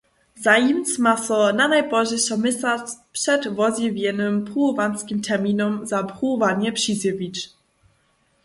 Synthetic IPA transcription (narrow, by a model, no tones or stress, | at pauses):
zajimt͡smasɔnanajbɔʑɛsɔmɘsat͡spʂɛdvɔzʲjivʲjɛnɘmpʁuvanskʲimtʰɛʁmʲinɔmzapʁuvaɲɛpʂizjɛvʲit͡ʃ